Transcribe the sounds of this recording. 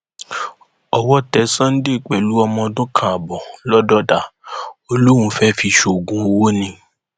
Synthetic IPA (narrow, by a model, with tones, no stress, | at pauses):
ɔ˧wɔ˦tɛ˨˦sã˦n̩˦de˦˨k͡pɛ˨lu˦ɔ˧mɔ̃˧dʊ̃˦kʰã˨a˨bɔ˨lɔ˦dɔ˦da˨o˧lo˦ɾ̃ũ˧fɛ˦fi˧ʃo˨ɡũ˨˦o˧wo˦nĩ˧